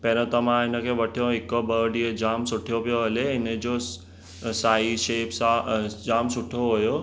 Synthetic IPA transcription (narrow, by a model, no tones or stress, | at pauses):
peːɾə̃t̪ɐʋãɪnə̆kʰeːʋɐʈʰijõɦɪkobəːɖiəd͡ʑaːmsʊʈʰijopijoɦɐleɪnə̆d͡ʑo | saːiʃeːpsãd͡ʑaːmsʊʈʰioɦujo